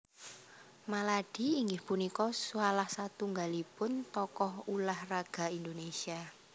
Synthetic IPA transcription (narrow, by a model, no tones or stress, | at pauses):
malaɖ̥i̤iŋɡɪhpunikɔsualahsat̪uŋɡalipʊnt̪ɔkɔhulahraɡ̥a̤ind̪onesia